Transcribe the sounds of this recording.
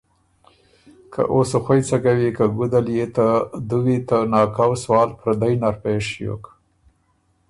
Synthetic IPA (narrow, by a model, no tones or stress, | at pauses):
kʰa̰ʔosoxwajt͡saɡawikaɡud̪aljet̪ad̪uwit̪anɑkawswɑːlpɾad̪ajnaɾpeʂjo̰k